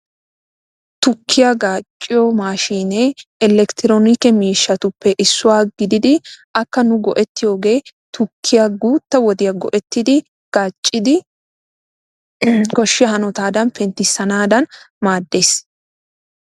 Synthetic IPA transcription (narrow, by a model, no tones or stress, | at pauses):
t̪ʊkʰːɪjaɡaːt͡ʃʼːɪjɔmaːʃiːneːɛlɛkt̪ɪɾoːnɪkɛmiːʃːɐt̪ʊpːɛʔɪsːʊwaːɡɪd̪ɪd̪ɪʔɐkːɐnʊɡɔʔɛt̪ːɪjo̞ːɡe̞ː | t̪ʊkʰːɪjaɡuːt̪ːɐwɔd̪ɪjɐɡɔ̰ʔɛt̪ːɪd̪ɪ | ɡ̥aːt͡ʃʼːɪd̪ɪ | kɔʃːɪjɐhɐnɔt̪aːd̪ɐnfɛnt̪ːɪsːɐnaːd̪ɐn | maːd̪ːe̞ːs